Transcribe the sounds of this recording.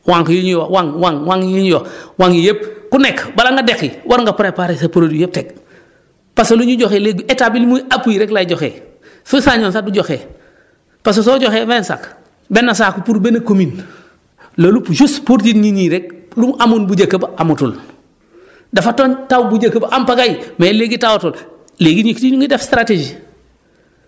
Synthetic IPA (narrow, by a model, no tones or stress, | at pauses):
waŋkjuɲjowaŋwaŋwaŋjiɲjowaŋijep̚kunekbalaŋɡadekiwaɾŋɡapaɾepaɾesapoɾodujep̚tek̚ | pasoluɲuɟoxelek̚bietabilmuapuiɾeklaiɟoxḛ | susaɲoːnsaduɟoxeː | pasos̬oːɟoxevensa̰k | benːas̬aːkupuɾbenɐkomin | lolupʃuspuɾd͡ʒinɲiɲiɾek̚lumʔamunbuɟɐkːabaamutul | dafatontawbuɟakːɐbaʔampaɡajmaeleɡitawotul | leːɡiɲiktiɲuŋidefstɾated͡ʒi